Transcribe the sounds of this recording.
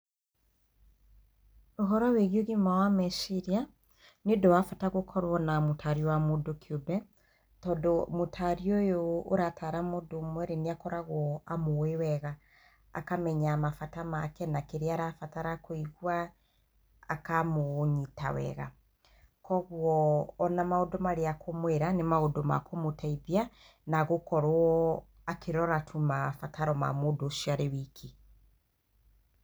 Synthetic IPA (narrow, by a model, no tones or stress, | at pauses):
oɦɔɾɔweɣjoɣimawamɛsiɾia | nedɔwafataɣokʰɔɾwɔnamotʰaɾiɔwamodokʰiobɛ | tɔdɔmotʰaɾiɔjoːɾatʰaɾamodomwɛɾeneakɔɾaɣwɔamoewɛɣa̰ː | kamɛɲamafatamakɛnakeɾeaɾafataɾakoiɣwa | akamoɲitawɛ̰ɣa̰ | kɔɣwɔːnamaodɔmaɾeakʰomweɾanemaodɔma̰komotaiðia | naɣokɔɾwɔ | akʰeɾɔɾatʰumafataɾɔma̰modoʃiaɾewikʰi